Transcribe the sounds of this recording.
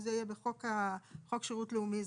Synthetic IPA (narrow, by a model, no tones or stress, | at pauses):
zeijebeχokaχo̞kʃeʁutleumiz